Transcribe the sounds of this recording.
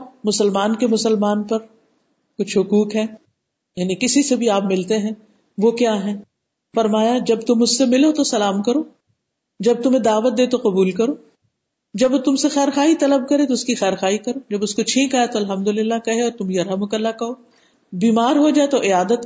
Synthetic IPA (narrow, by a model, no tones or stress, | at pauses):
mʊsəlmaːnkemʊsəlmaːnpɐɾ | kʊt͡ʃʰɦʊkuːkɦɛː | jaːnikɪsisebʱiaːpmɪlt̪eɦɛ̃ː | ʋokjaːɦɛ̃ː | fɐɾmaːjad͡ʒɐbt̪ʊmʊsːemɪlot̪osɐlaːmkɐɾoː | d͡ʒɐb̚t̪ʊmẽd̪aːʋət̪̚d̪eːt̪oqɐbuːlkɐɾoː | d͡ʒɐbt̪ʊmsexɛːɾxaːɦit̪ɐləb̚kɐɾet̪̬oʊskixɛːɾxaːɦikɐɾoːd͡ʒɐbʊskot͡ʃʰĩːkaːjat̪oɐlɦɐmd̪ʊlɪlːakɐɦeɔːɾt̪ʊmjɐɾamʊkəlːakɐɦoː | biːmaːɾɦod͡ʒaːet̪oʔɪaːd̪ət̪